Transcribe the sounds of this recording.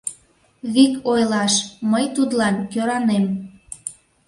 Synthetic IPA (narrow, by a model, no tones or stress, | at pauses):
βikojlɑʃməjt̪ud̪lɑnkøɾɑnem